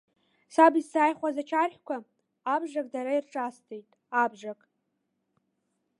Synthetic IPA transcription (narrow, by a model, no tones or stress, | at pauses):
sabizsaːjχʷazat͡ʃʰarχʲkʷʰaː | bʒakʼdaɾairʈ͡ʂʼastʰejtʼ | abʒakʼ